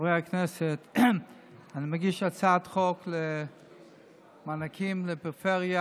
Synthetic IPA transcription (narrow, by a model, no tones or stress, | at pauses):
vʁehakneset̪ | animaɡiʃat͡sat̪χokle | manakʰimlepʁfeʁja